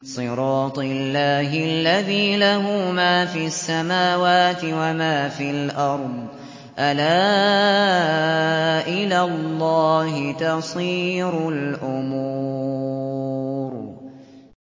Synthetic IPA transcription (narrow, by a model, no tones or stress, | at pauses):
sˤɨɾˤɑːt̪ˤɪlːaːɦɪalːaðiːlaɦuːmaːfiːasːamaːwaːt̪ɪwamaːfiːalʔɑɾˤd̪ˤ | ʔalaː | ʔɪlalˤːɑːhɪt̪ɑsˤiːɾʊlʔʊmuː | ɾ